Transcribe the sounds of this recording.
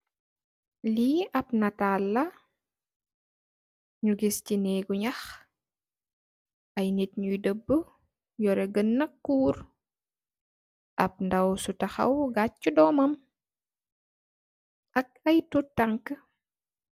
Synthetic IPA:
liʔɐp̚nɐtaːlːɐ | ɲuɡiscinɛːɡuɲɐx | ɐjnitɲujdəbːə | jɔɾɛɡənːɐkːuːɾ | ʔɐp̚ndɐwsutɐxɐ̰wɡat͡ʃːudɔmɐm | ʔɐk̚ɐjtutaŋkə

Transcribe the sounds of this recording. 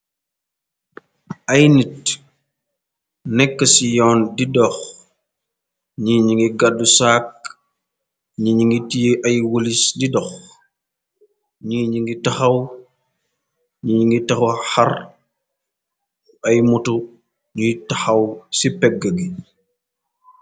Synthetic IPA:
ɐjnit | nɛkːəsijɔːndidɔx | ɲiɲiŋɡiɡadːusaːk̚ | ɲiɲiŋɡitijʔɐjwolisdidɔx | ɲiːɲiŋɡitɐxɐw | ɲiɲiŋɡitɐxuhɐr | ɐjmutu | ɲutɐxɐwsipɛɡːəɡi

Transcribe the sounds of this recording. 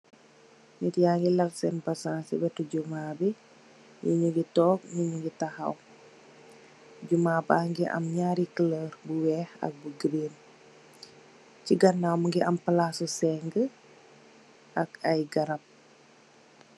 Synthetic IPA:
ɲitijaŋɡilaksɛnpasaŋsḭbɛtuɟumabi | juɲuɡitɔːk̚nuɲuɡitaha̰w | ɟumabaŋɡiʔɐ̰mɲaɾikələɾbuwɛhɐ̰k̚buɡɾin | ciɡɐnːawmuŋɡiʔɐmpəlasusɛŋɡə | ʔɐkajɡaɾɐp̚

